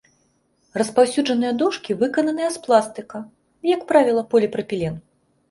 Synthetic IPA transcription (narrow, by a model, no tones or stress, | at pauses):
rɐspawsʲuʐɐnɨjɐd̪ɔʂkʲivɨkɐnɐnɨjɐsplˠast̪ɨkɐ | jɐkpɾavʲilˠɐpɔlʲipɾɐpʲilʲɛn